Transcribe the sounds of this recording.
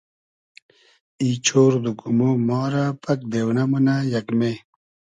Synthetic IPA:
it͡ɕʰoːɾd̪ukumomɔːɾapɐk̚d̪ewnɐmunajɐkme

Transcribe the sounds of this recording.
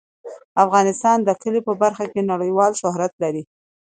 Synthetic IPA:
afɣɑnɪst̪ɑnd̪əkəlepəbaɾxakenaɽəjwɑlʃʊɦɾat̪laɾi

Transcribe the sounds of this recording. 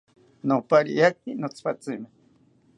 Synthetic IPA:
nopaɾḭjak̚inot͡sʰpat͡sime

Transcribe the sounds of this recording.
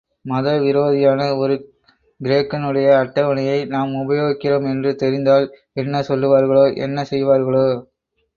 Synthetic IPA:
mɐðɐʋɪɾoːðɪjaːnɐɔɾɯ | ɡɪɾeːkːɐnɯɽɐjɐːʈːɐʋɐɳɐjɐɪnaːmʊbɐjoːɣɪkːɪroːmɛndrɯt̪ɛɾɪnd̪aːl | ɛnːɐsɔlːɯʋaːɾɣɐɭoːʔɛ̰nːɐsɛjʋaːɾɣɐɭoː

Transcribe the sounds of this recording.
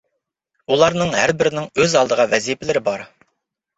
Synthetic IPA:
ulˠɑɾnɨŋhæɾbɪɾɪnɪŋøzɑlˠd̪əʁɑvɛzijpʰɪlɪɾɪbɑɾ

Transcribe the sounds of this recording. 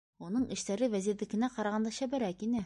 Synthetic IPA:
unɤɴɘ̆ʃt̪æɾɘwæziɾðɘ̆kɘ̆næqɑɾɑʁɑnd̪ɑɕæbɘ̆ɾækinɘ

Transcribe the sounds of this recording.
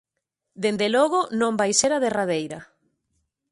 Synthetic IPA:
d̪end̪elɔɣonõmbajseɾaðeraðejɾa

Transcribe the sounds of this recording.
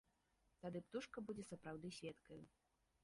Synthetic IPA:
t̪ad̪ɨpt̪uʂkɐbud͡zʲɛsɐpɾawd̪ɨsʲvʲɛt̪kɐju

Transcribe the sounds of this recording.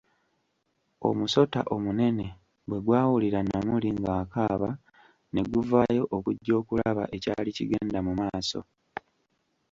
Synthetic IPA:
o̞̰muso̞ta̰ʔo̞mune̞ne̞ | bwe̞ɡwaːwuliɾanamuliŋɡaːkaːβa | ne̞ɡuvaːjo̞ʔokuɟːo̞ːkulaβaʔe̞caːlicḭɡe̞ːndamumaːso̞̰

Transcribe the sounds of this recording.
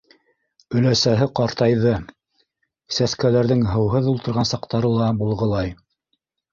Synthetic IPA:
ɵ̆læsæɦɘqɑɾt̪ɑjðɤ | sæskælæɾðɘŋɦɤ̆wɦɤðulˠt̪ɤ̆ɾʁɑnsɑqt̪ɑɾɤlˠɑbulˠʁɤ̆lˠɑj

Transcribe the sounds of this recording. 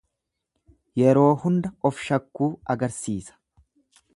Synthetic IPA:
jɛɾo̞ːhʊnd̪ɐɔfʃɐkːuːɐɡɐɾsiːsɐ̥

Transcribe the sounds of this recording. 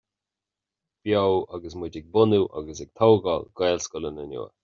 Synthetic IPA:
b̥jowaɡəs̬mɪdɪɡ̚bʊnuʔa̰ɡəsɛɡ̥̚t̪ʰɔwɡɔlɡwɛːlskʊlənənṵːə̰

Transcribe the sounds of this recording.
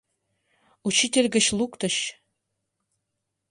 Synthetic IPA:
ut͡ɕit̪ʲelʲɡɘ̆ɕlˠukt̪ɤ̆ɕ

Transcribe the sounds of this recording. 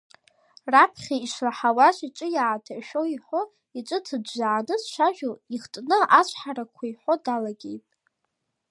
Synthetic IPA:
rapʰχʲaiʃlaħawaʃʷʼiʈ͡ʂʼɨjaʕatʰaʃᶣo̞iħo̞ | it͡ʃʷʼɨtʰɨdːaʕanɨsʃʷaʒᶣʊliχtʼnɨʔat͡ʃʷʰʼħaɾakʷʰajħʷo̞dalaɡʲḛjtʼ

